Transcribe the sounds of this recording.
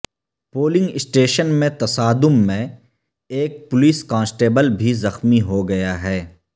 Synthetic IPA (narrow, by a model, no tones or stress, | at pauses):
poːlɪ̃ŋɡɪsʈeːʃənmẽt̪ɐsaːd̪ʊmːẽ | eːk̚pʊliːskãːnsʈeːbəlbʱizɐxmiɦoɡɐjaɦɛː